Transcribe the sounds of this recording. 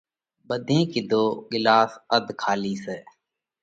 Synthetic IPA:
bəd̪ʱẽːkid̪oːɡɪlaːsəd̪kʰaːliːseː

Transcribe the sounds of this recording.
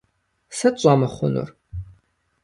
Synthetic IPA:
sɐɕʷʼaːmɐχʷʊɔnṵr

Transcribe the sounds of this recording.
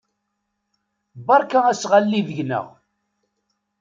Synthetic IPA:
bɑɾˤkaæsʁalːiðəʝnə̰ʁ

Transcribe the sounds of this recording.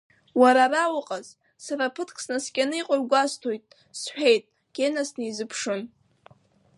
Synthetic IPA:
waɾarawaqʼaz | saɾapʰɨtʰkʰʼsnaskʲʼanɨiqʼaɥɡʷastʰojtʼ | sħᶣe̞jtʼ | ɡ̥ʲenasnɨizɨpʰʂɨn

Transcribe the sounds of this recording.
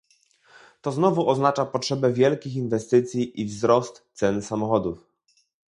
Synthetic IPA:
t̪ɔznɔvuʔɔznat͡ʂapɔtʂɛbɛvʲjɛlkʲixinvɛst̪ɘt̪sʲjiʔivzɾɔst̪t̪sɛnsamɔxɔd̪uf

